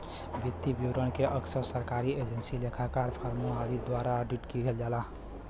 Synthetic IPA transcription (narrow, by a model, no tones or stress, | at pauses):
bit̪ːibiwɾənkeʔəksəɾsəɾkaɾied͡ʒensilekʰakaɾpʰaɾmuad̪id̪waɾaəɖiʈkiɡʱeld͡ʒalaɦ